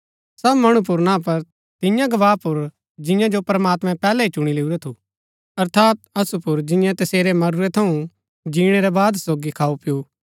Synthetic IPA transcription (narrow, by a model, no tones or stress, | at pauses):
sɐbmɐɽ̃ũp̬ʊɾnãːp̬ɐɾ | t̪ɪ̃jãɡɐʋaːpʊɾ | d͡ʒɪ̃jãd͡ʒopɾɐmaːt̪mɛ̃pɛːlɛɦit͡ʃʊɽ̃ileːuɾɛt̪ʰu | ɐɾt̪ʰaːt̪ɐsupʊɾd͡ʒɪ̃jãt̪ɐseːɾɛmɐɾuɾɛt̪ʰɐũ | d͡ʒiːɽ̃ɛɾɛbaːd̪soːɡikʰaːupɪjo